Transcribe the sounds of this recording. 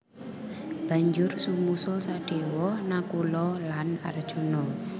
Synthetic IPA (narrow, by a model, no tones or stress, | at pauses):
b̥a̤ɲd͡ʒʊrsumusʊlsaɖ̥e̤wɔnakulɔlana̰rd̥ʒ̥ṳnɔ